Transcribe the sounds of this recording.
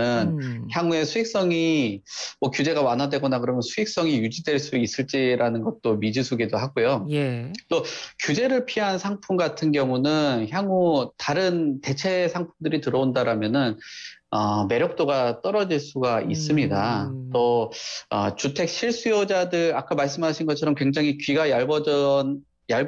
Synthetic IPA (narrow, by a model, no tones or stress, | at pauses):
ɯnçjaŋue̞sʰuik̚s͈ʌŋi | mʌkjud͡ʑe̞ɡamanɦadwe̞ɡʌnakɯɾʌmjʌnsʰuik̚s͈ʌŋijud͡ʑidwe̞ɭs͈uis͈ɯɭt͡ɕ͈iɾanɯnɡʌt̚t͈omid͡ʑisʰuɡidoɦaɡojojet͈okjud͡ʑe̞ɾɯɭpʰiɦansʰaŋpʰumɡatʰɯnɡjʌŋunɯnçjaŋutaɾɯnte̞t͡ɕʰe̞sʰaŋpʰumdɯɾitɯɾʌondaɾamjʌnɯn | ʌme̞ɾjʌk̚t͈oɡat͈ʌɾʌd͡ʑiɭs͈uɡaʔis͈ɯmɲidat͈o | ʌ̰t͡ɕutʰe̞k̚ɕʰiɭs͈ujod͡ʑadɯɾak͈amaɭs̬͈ɯmɦaɕʰinɡʌt͡ɕʰʌɾʌmkwe̞ŋd͡ʑaŋikɥiɡajabʌʌn | jaɭ